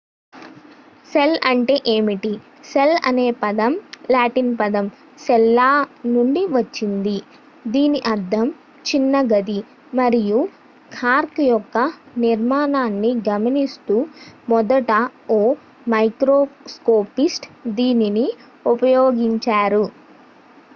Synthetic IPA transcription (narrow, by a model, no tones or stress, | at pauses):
selɐɳʈe̞ːʔeːmiʈi | selɐ̰ne̞ːpɐd̪ɐmlaːʈinpɐd̪ɐm | sɛlːaːnuɳɖiʋɐt͡ʃːind̪i | d̪iːniʔɐɾd̪ʱɐm | t͡ʃinːɐɡɐd̪i | mɐɾiju | kʰaːɾkjɔkːɐniɾmaːnaːnːiɡɐmɐnist̪uːmɔd̪ɐʈɐoː | mɐjkɾoːskoːpisʈd̪iːnini | upɐjoːɡiɲt͡ʃaːɾu